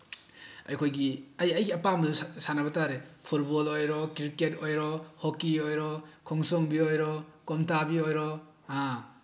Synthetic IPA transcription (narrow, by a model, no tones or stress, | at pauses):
ɐ̰jkʰojɡiɐjɐjɡiapamusanabɐtaɾepʰut̚bɔlojɾɔkiɾketojɾɔhokiojɾɔkʰɔŋsɔŋbiojɾɔkɔmtabiojɾɔ | a